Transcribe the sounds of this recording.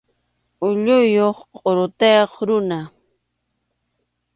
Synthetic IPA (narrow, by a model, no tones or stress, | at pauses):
ʊʎʊjoχqʼoɾʊt̪ejoχɾʊna